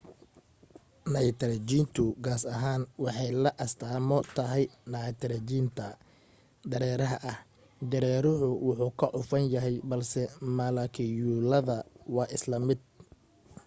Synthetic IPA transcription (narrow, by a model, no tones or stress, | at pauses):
nɐt̪ʰɾɐt͡ʃiːnt̪ʰʊɡaːsɐɦaːnwɑħɑjlɐʔɐst̪ʰaːmɔt̪ʰɐɦɛjnɐt̪ʰɾɐt͡ʃiːnt̪ʰɐ | d̪ɐɾɛːɾɐɦɐʔɐh | d̪ɐɾɛːɾʊhʊwʊħuːkʰɐʕʊfɐnjɐɦɛjbɐlsɛmɐlɐkʰɪjulɐðɐwɑːʔɪslɐmɪd̪̚